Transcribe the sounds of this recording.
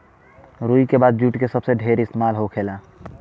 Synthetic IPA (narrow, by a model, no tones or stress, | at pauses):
ɾuːikebaːd̪̚d͡ʒuːʈkesəbseɖʱeːɾɪst̪emaːlɦokʰeːlaː